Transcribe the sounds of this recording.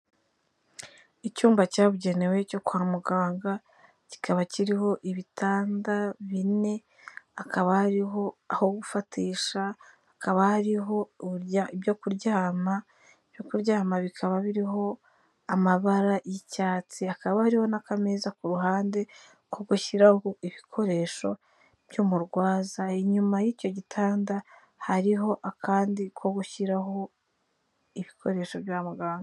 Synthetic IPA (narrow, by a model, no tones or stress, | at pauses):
icuːmbacaːβuɟe̞ne̞we̞co̞kwaːmuɡaːŋɡa | ci̥kʰaβaciɾiho̞ʔiβitaːndaβine̞ | akʰaβahaɾiɦo̞aho̞ɡufatiːʃaː | kaβahaɾiɦo̞aiβjokuɾɟaːma | i̥jokuɾɟaːmaβikʰaβaβiɾiɦo̞ | amaβaɾajicaːt͡siakaβahaɾiho̞nakamezakuɾuɦaːnde | koɡuçiɾahoiβikʰo̞ɾe̞ːʃo̞ | b̥jomuɾɡwaːzaiɲumajiːco̞ɟitʰaːnda | haɾiɦo̞ʔakʰaːndikwo̞ɡuiɾaɦo̞ | iβikʰo̞ɾe̞ːʃo̞βjamuɡaːŋɡo